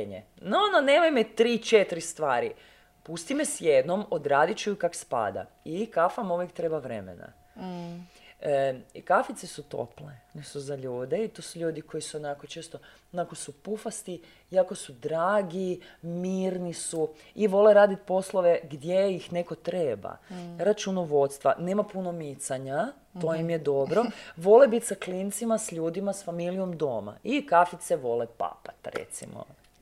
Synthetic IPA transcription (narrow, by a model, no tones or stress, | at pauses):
ɲḛnononeːmojmet̪ɾiːt͡ʃet̪ɾist̪ʋaːɾi | pust̪imesjed̪nomod̪ɾaːd̪it͡ʃukakspa̰d̪a̰ | ikafamuʋjekt̪ɾebaʋɾḛmḛna̰ | kafit̪sesut̪o̰plenisuzaʎuːd̪eit̪oːsuʎuːd̪ikʰo̞jisuonakot͡ʃeːst̪o | onako̞supufast̪i | iako̞sud̪ɾaːɡimiːɾnisu | iʋo̞leɾaːd̪it̪̚po̞slˠoʋeɡd̪jejixne̞ko̞t̪ɾeːba̰ɾat͡ʃunoʋo̞t̪st̪ʋa̰neːmapuno̞mit̪saɲa | t̪ojimjed̪o̞bɾo̞ʋo̞lebit̪saklint̪simasʎuːd̪imasfamilijo̞md̪o̞̰ːma̰ikafit̪seʋo̞lepa̰pḁt̪ɾḛt̪sḭmo̰